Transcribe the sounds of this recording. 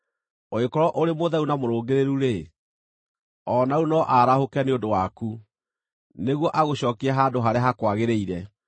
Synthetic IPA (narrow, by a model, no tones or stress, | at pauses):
oekɔɾɔʔoɾemoðaunamoɾoːɡeɾeɾuɾe | ɔnaunɔʔaɾahokaneondowaku | neɣwɔʔaɣoɕɔːkeaɦadoɦaɾeaɦakwaɣeɾeiɾɛ